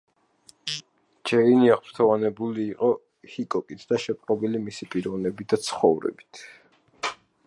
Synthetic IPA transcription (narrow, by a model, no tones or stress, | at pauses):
d͡ʒɛiniaχpʰɾt̪ʰɔvanɛbuliːqʼɔ | hikʼɔkʼit̪ʰd̪̥aʃɛpʼqʼɔbilimisipʼiɾɔvnɛbid̪at̪sʰχɔvɾɛ̰bi̥t̪ʰ